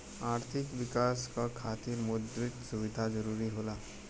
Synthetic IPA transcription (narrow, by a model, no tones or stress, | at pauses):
aɾt̪ʰikʋikaskakʰat̪iːɾmud̪ɾit̪suʋid̪ʱad͡zəɾuɾiɦola